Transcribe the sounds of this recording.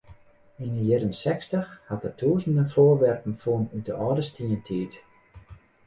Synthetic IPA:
inəjɛɾənsɛkstəxhat̚ətʰuːzəndəfoːrʋɛrpən̩fuənydəʔɔːdəstʰiəntʰiːt

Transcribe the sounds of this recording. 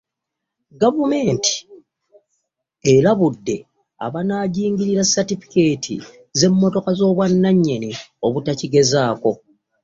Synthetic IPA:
ɡavume̞ːnti̥ | eɾaβudːe̞ | a̰βanaːɟiːŋɡiɾiɾasːatifi̥ke̞ːtʰḭ | ze̞mːo̞to̞kazo̞ːβwanːaɲːe̞nio̞βutaciɡe̞zaːko̞

